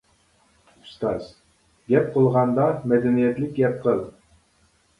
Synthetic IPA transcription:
u̥st̪ɑz̥ | ɡʲɛp̚qəlˠʁɑnd̪ɑmɛd̪ɛnijɛt̪lɪk̚ʲɡʲɛp̚qʰəlˠ

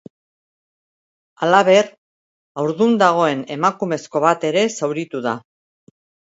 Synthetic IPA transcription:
alaβ̞e̞ɾ | awɾðund̪aɣ̞o̞e̞ne̞makume̞sko̞β̞at̪e̞ɾe̞sawɾit̪uða

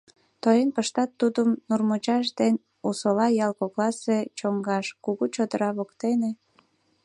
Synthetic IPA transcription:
t̪ojenpəʃt̪ɑt̪ːud̪əmnurmot͡ɕɑʃd̪en | usolɑjɑlkoklɑset͡ɕoŋɡɑʃkuɣut͡ɕod̪əɾɑβokt̪ene

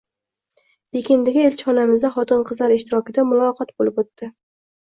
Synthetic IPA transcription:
b̥ekʲend̪ɪɡʲaelʲt͡ʃʰɒnamɪzd̪aχɒt̪ɪnqʰɨzlaɾɪʃt̪ɪɾɒkʲɪd̪amʊlˠɒqʰɒt̪̚bolɪpot̪ːɪ

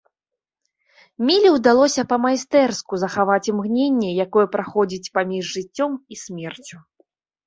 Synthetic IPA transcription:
mʲilʲiwd̪alˠɔsʲɐpɐmajst̪ɛrskuzɐxavat͡sʲimɣnʲenʲːɛjakɔjɛpɾaxɔd͡zʲit͡sʲpamʲiʐːɨt͡sʲːɔmisʲmʲɛrt͡sʲu

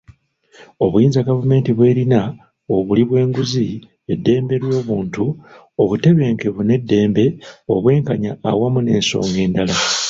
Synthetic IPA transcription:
o̞βujiːnzaɡavume̞ːntiβwe̞ːɾina | oβuliβwe̞ːŋɡuzi | e̞dːe̞ːmbe̞ɾwo̞ːβuːntu | o̞βute̞βe̞ːŋkeβune̞dːe̞ːmbe̞o̞βwe̞ːŋkaɲaːwamune̞ːnso̞̰ːŋɡe̞ːndala

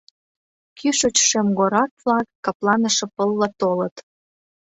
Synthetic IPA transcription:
kʰyʃot͡ɕʃemɡoɾɑkvlɑkːɑplɑnəʃĕpəlːət̪olət̪

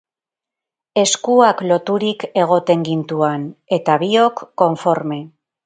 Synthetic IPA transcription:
e̞skuaklo̞t̪uɾike̞ɣ̞o̞t̪e̞ŋɡint̪uane̞t̪aβio̞kːo̞ɱfo̞ɾme̞

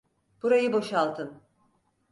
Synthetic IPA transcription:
b̥uɾajɯbo̞ʃalˠt̪ʰɯn

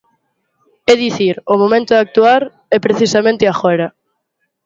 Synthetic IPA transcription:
ɛðiθiɾomomẽnt̪ʊðak̚t̪uaɾ | ɛpɾeθisamẽnt̪ɪaxɔɾɐ

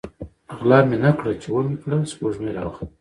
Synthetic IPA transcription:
ɣlɑmenakɽat͡ʃewənikɽaspoʐmeɾɑ̰wx

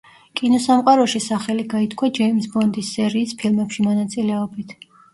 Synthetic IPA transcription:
kʼinɔsamqʼaɾɔʃisaχɛliɡait̪ʰkʰwad͡ʒɛimisbɔnd̪isːɛɾiːspʰilˠmɛpʃimɔnat̪sʼilɛɔbit̪ʰ

